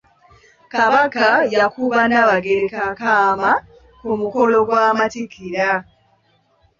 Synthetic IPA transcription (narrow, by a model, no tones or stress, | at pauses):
kaβakajakuβanaβaɡe̞ɾekakaːma | kumuko̞lo̞ɡwaːmatikʰiɾa